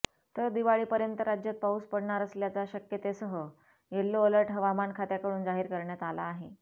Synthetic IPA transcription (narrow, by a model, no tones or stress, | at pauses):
t̪əɾd̪iʋaɭiːpəɾjənt̪əɾad͡ʑjət̪̚pauspəɽɳaɾəsljat͡saɕəkjət̪esəɦə | jelːoːləɾʈɦəʋamankʰat̪jakəɽuːnd͡zaɦiːɾkəɾɳjat̪alaːɦe